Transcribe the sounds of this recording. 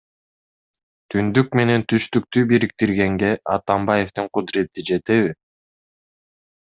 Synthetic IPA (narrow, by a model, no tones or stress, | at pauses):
t̪ʰynd̪yk̚me̞ne̞nt̪ʰyʃt̪yk̚t̪ybiɾik̚t̪iɾɡe̞ŋɡe̞ʔɑt̪ɑmbɑje̞ft̪ɯɴqʊd̪ɾe̞t̪ːid͡ʒe̞t̪e̞βi